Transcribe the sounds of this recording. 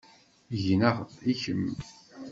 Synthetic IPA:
ʝnæʁtiçəm

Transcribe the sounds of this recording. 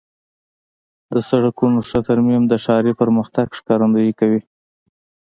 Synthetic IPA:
d̪əsaɽakunoʂət̪aɾmimd̪əʃɑɾipəɾməxt̪aɡʂkɑɾand̪ujikawi

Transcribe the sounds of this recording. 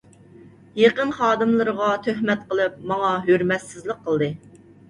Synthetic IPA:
jeqənχɑːd̪ɨmlˠɨɾəʁɑt̪ʰøɦmɛt̪̚qəlˠɨp̚mɑŋɑɦøɾmɛt̪sɪzlˠəqʰːəlˠd̪ɨ

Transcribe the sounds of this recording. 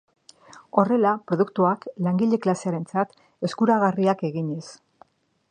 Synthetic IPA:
o̞re̞lapɾo̞ðukt̪uaklaŋɡiʎe̞klase̞aɾe̞nt͡sat̪ | e̞skuɾaɣariake̞ɣiɲe̞s

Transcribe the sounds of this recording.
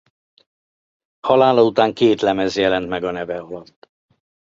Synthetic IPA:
hɒlaːlɒut̪aːŋkeːt̪lɛmɛzjɛlɛnt̪mɛɡɒnɛvɛɒlɒt̪ː

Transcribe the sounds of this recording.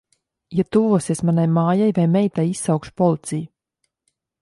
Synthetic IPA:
jat̪uvuɔsiɛsmanajmaːjajvajmɛjt̪ajisːawkʃu̥pɔlˠit̪siju

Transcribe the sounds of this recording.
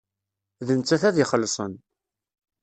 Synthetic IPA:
ðənt͡sːæθæðiχəlːsˤə̰n

